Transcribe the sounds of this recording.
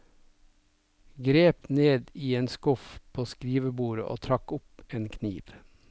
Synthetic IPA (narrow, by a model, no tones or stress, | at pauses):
ɡɾeːpneːd̪iːeːnskʊfpʰoːskɾiːʋəbuːɾə̰ʔo̰ːt̪ʰɾɑkʊpeːnkʰniːʋ